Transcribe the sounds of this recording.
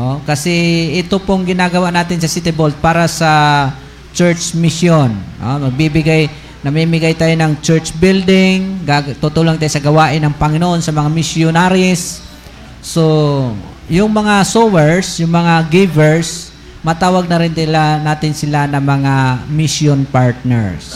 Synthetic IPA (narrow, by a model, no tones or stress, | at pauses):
ʔokɐsɛɪt̪opʊŋɡɪnaːɡɐwaʔnaːt̪ɪnsɐsit̪ɛbold̪̚paːɾɐsɐ | t͡ʃɛɹt͡ʃmɪsjonʔo̰mɐɡ̚bibɪɡaj | nɐmimɪɡajt̪aːjonɐŋt͡ʃɛɹt͡ʃbɪld̪ɪŋɡat̪ʊt̪uːloŋt̪aːjosɐɡɐwaːʔɪnːɐŋpɐŋɪnoʔo̞nsɐmɐŋamɪsjʊnaɾɪsː | o | jʊŋmɐŋasowɛɹsjʊŋmɐŋaɡivɛɹs | mɐt̪aːwɐɡ̚nɐɾɪnɪlanaːt̪ɪnsɪlanɐŋmɐŋamɪsjonpaɹt̪̚nɛ̰ɹs